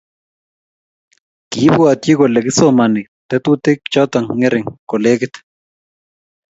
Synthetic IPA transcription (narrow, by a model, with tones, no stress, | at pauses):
ki˨˦bu˦a˨tji˦ko˨lɛ˨kɪ˦so˦ma˨nɪ˨ | t̪ɛ˦t̪u˦tɪ˦k̚t͡ʃɔ˦t̪a˨ŋːɪ˦ɾɪ˨ŋko˨le˦kɪ˦t̪